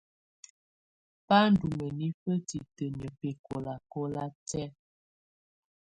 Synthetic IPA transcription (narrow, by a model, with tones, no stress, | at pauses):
pa˦n˨du˨mə˨ni˦fə˦ti˨tə˨ɲ˨ə˨pe˨ko˨la˨ko˦la˦tɛ˦